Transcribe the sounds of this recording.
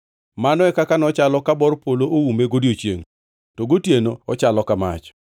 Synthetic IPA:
manɔɛkakanɔt͡ʃalɔkabɔrpoloʔowumeɡodiot͡ʃḛŋ | toɡotjenoɔt͡ʃalɔkama̰t͡ʃ

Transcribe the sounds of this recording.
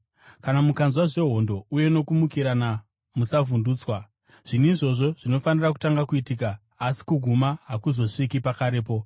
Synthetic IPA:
kanamukanzwaʐe̞ɦo̞ndo̞uje̞no̞kumukiɾana | musavunduːt͡swa | ʐ̥iniiʐo̞ʐo̞ʐ̥ino̞fanirak̬u̥taŋɡakuitikaː | si̥kuɡʱumaɦakuzo̞ʂikipakaɾe̞ːp̬o

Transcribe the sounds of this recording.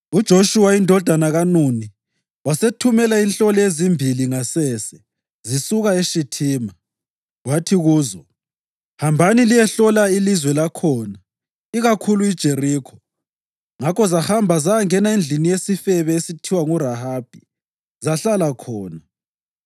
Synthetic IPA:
ud̥ʒ̥ʱoʃuwaindʱɔd̥ʱanaɣanuni | wasetʰumɛlainɬɔlezimbʱiliŋasɛːsɛ | zisuɣaeʃitʰiːma | watʰiɣuːzɔ | hambʱanilijɛɬɔlailizwɛlakʰɔna | iɣakʰuluid̥ʒ̥ʱeriːkʰɔ̥ | ŋakɔzahambʱazaŋɛnaend͡ɮʱinijesifɛβɛesitʰiwaŋuɾahaːb̥ʱi | zaɬalakʰɔːna

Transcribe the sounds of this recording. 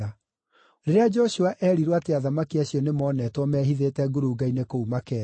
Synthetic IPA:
a | ɾeɾead͡ʒɔɕuaʔɛːɾiɾwateaðamakiaɕjɔnemɔnɛtwɔmɛːɦiðeːtɛɡoɾuɡainekoumakɛː

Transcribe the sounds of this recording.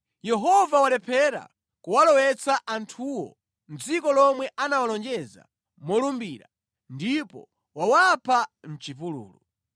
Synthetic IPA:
jɛɦɔvawalɛpʰɛɾa̰ | kuwalɔwɛt͡saʔantʰuwɔ̰ | nd͡zikɔlɔmwɛʔanawalɔnd͡ʒɛza̰ | mɔlumbiːɾa̰ | ndipɔ̰ | wawapʰam̩t͡ʃipulṵːlu

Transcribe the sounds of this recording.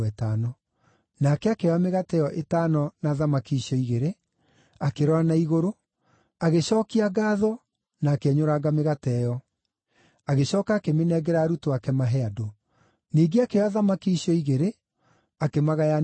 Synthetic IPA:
ɛtaːnɔ | nakɛakeameɣatɛjɔʔetaːnɔnaðamakiːɕjɔiɣeɾe | akeɾɔanaiɣoɾo | aɣeɕɔːkiaɡaːðɔ | naːkeɛɲoɾaɡameɣatɛjɔ | aɣeɕɔːkaːkemenɛːɡɛɾaːɾutoakɛmaɦɛado | niːɡeakeaðamakiɕjɔiɣeɾe | akemaɣaja

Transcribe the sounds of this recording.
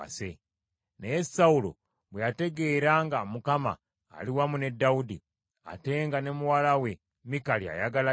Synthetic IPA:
a̰sḛ | nejesaulo̰ | βwejate̞ɡe̞ːɾaŋɡamukama̰ː | liwamune̞dːaudi | a̰te̞ːŋɡane̞muwalawe̞ | mikalia̰jaɡala

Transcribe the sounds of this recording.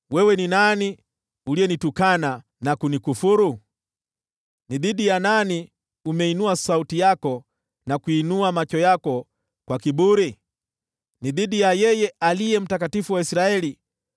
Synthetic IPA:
wɛwɛninani | uliɛnitukana | nakunikufuɾu | niðiɗijanani | umɛinuasautijakɔ | nakuinuamat͡ʃɔjakɔ | kwakiɓuɾi | niðiɗijajɛjɛalijɛm̩tak̬atifuwaisɾaɛli

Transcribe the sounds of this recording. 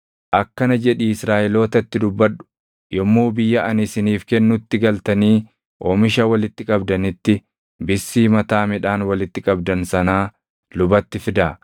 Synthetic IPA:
ʔɐkːɐnɐd͡ʒɛᶑiɪsɾaːʔɛlo̞ːt̪ɐt̪ːɪd̪ʊbːɐᶑʊ̥ | jɔmːuːbɪjːɐʔɐnɪsɪniːfkɛnːʊt̪ːɪɡɐlt̪ɐniː | ʔoːmɪʃɐwɐlɪt̪ːɪkʼɐbd̪ɐnɪt̪ːɪ | bɪsːiːmɐt̪aːmɪᶑaːnwɐlɪt̪ːɪkʼɐbd̪ɐnsɐnaː | lʊbɐt̪ːɪfɪd̪aː

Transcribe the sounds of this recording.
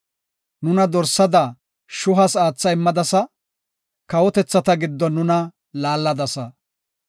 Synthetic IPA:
nʊnɐd̪ɔɾsɐd̪ɐ | ʃʊɦɐsaːt͡sːɐɪmːɐd̪ɐsɐ | kɐwɔt̪ɛt͡sːɐt̪ɐɡɪd̪ːɔnːʊnɐ | laːlːɐd̪ɐsɐ

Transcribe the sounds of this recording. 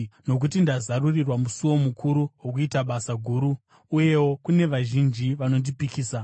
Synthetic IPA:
no̞k̬ut̬indazarurirwamusuwo̞mukʰuɾuwok̬uitaɓasaɡʱuɾuː | je̞wo̞kune̞ʋaʒind͡ʒiʋano̞ndipikiːsa

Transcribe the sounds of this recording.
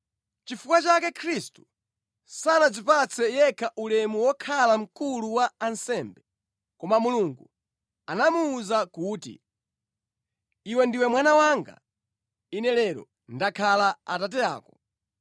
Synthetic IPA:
t͡ʃifukwat͡ʃakɛkʰɾistu̥ | sanad͡zipat͡sʰɛjɛkʰaʔulɛmuwɔkʰalam̩kuluwaːnsɛmbɛ | kɔmamuluŋɡu | anamuːzakuːtḭ | iwɛndiwɛmwanawaŋɡa̰ | inɛlɛɾɔ̰ | ndakʰalaatat̬ɛa̰ːkɔ

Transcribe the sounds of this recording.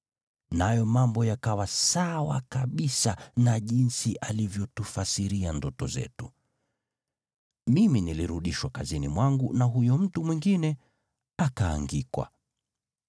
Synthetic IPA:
najɔmambɔjakawasawa̰kaɓisanaʄinsiʔalivjɔtufasiɾiandɔtɔzɛ̰tu | miminiliɾuɗiʃwakazinimwaŋɡunaɦujɔm̩tumwiŋɡinɛ | aka̰ːŋɡikwa̰

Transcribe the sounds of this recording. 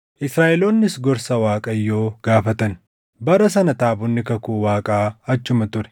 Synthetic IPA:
ʔɪsɾaːʔɛloːnːɪsɡɔɾsɐwaːkʼɐjːo̞ːɡ̥aːfɐt̪ɐn | bɐɾɐs̬ɐnɐt̪aːbʊnːɪkɐkuːwaːkʼaːɐt͡ʃːʊmɐt̪ʊɾɛ̥

